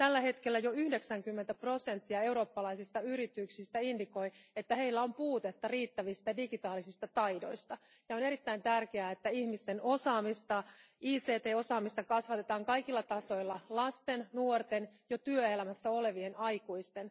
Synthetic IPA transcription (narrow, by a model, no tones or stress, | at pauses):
t̪ælːæhe̞t̪kelːæjo̞yhde̞ksæŋkymːent̪æpro̞se̞nt̪ːiɑe̞uɾoːpːɑlɑisist̪ɑyɾit̪yksist̪æindiko̞iet̪ːæhe̞ilːæo̞mpuːt̪et̪ːɑriːt̪ːæʋist̪ɑdiɡit̪ɑːlisist̪ɑt̪ɑjdo̞ist̪ɑ | jɑone̞ɾit̪ːæint̪ærkeæːet̪ːæihmist̪eno̞sɑːmist̪ɑiːseːt̪eːo̞sɑːmist̪ɑkɑsʋɑt̪e̞t̪ɑːŋkɑjkilːɑt̪ɑso̞ilːɑlɑst̪e̞nnuort̪enjot̪yøelæmæsːæo̞le̞ʋie̞nɑjkuist̪e̞n